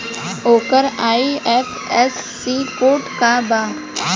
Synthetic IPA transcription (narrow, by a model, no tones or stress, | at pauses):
oːkəɾaːiɛf | ɛsːiːkoːʈkabaː